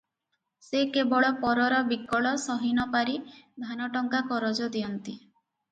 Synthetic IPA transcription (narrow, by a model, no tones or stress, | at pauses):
sekebɔɭɔpɔɾɔɾɔbikɔɭɔsɔɦinɔpaɾid̪ʱanɔʈɔŋɡakɔɾɔd͡ʒɔd̪iɔnt̪i